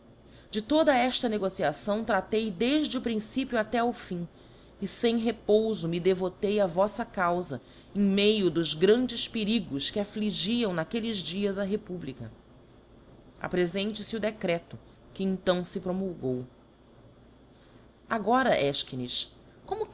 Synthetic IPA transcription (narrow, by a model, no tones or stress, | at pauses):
d͡ʒɪt̪od̪ɐɛʃt̪ɐneɡosiasɐ̃w̃t̪ɾat̪ejd̪eʒd͡ʒɪʊpɾĩsipjuat̪ɛʊfĩ | ɪsẽj̃ɦepowzʊmɪd̪evot̪ejavɔsɐkawzɐ | ẽj̃mejʊd̪ʊzɡɾɐ̃nd͡ʒɪspɪɾiɡʊskɪafliʒiɐ̃w̃nakelɪzd͡ʒiɐzɐɦepublikɐ | a̰pɾezẽnt͡ʃɪsɪʊd̪ekɾɛt̪ʊ | kɪẽt̪ɐ̃w̃sɪpɾomulɡow | aɡɔɾɐʔɛʃkinis | kõmʊ